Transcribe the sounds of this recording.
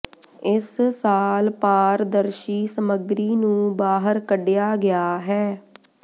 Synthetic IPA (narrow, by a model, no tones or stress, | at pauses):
ɪssaːlpaːɾd̪əɾʃiːsəməɡɾiːnũːbaːɦəɾkəɖɪjaːɡɪjaːɦɛː